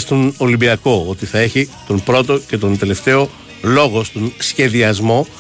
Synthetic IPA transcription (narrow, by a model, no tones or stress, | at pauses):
st̪onolimbiɐko̞o̞t̪iθɐe̞çit̪o̞npɾo̞t̪o̞ce̞t̪o̞nt̪e̞le̞ft̪e̞o̞ | lo̞ɣo̞st̪o̞nsçe̞ðiɐzmo̞